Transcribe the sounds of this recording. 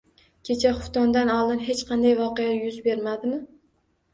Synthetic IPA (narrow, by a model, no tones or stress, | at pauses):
kʲʰe̞t͡ʃʰaχʊft̪ɒnd̪anɒlˠd̪ɪnɦet͡ʃqʰɑnd̪ajvɒqejajʊzbe̞ɾmad̪ɪmɪ